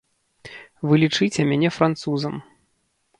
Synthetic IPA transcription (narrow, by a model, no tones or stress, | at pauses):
vɨlʲit͡ʂɨt͡sʲɛmʲanʲɛfɾant̪suzɐm